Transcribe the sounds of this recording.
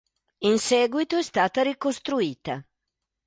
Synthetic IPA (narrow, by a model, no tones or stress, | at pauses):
insɛːɡwit̪oɛst̪aːt̪aɾikost̪ɾuiːt̪a